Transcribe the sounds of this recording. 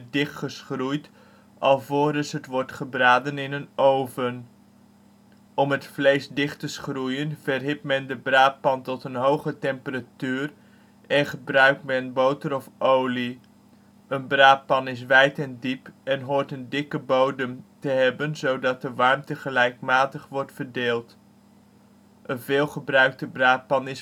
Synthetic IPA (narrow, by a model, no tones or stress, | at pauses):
dɪχtχəsχrujt | ʔɑlˠvoːdəsətʋɔɹtχəbraːdənɪnənowvən | ɔmɦətflejsdɪχtəsχrujənvɛrɦɪpmɛndəbraːt̚pɑntɔtənɦowχətɛmpəratyːr | ʔɛnχəbrœɥk̚tmɛnbowtəɾɔfʔowli | ʔənbraːpɑnɪs̬ʋɛjtɛndipɛnɦoːɹtəndɪkəbowdəmtəɦɛbənzowdɑt̚dəʋɑɹmtəχəlɛjkmaːtəχʋɔɹtfəɹdeːlˠt | ʔənvɪːlˠχəbrœɥk̚təbraːt̚pɑnɪs